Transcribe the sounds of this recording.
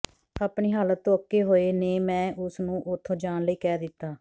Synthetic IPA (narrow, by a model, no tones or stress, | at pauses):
aːpɳiːɦaːlət̪ːõːəkːeːɦoːeːneːmɛ̃ːʔʊsnũːʔʊt̪ʰːõːd͡ʒaːnləiːkɛːd̪ɪt̪ːaː